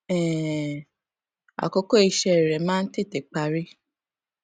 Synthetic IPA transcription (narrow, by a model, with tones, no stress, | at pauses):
ɛ˨ | a̰˨ko˧ko˦i˨˧ʃɛ˧˨ɾɛ˨mãː˦n̩˦te˦˨te˨k͡pa˨ɾi˦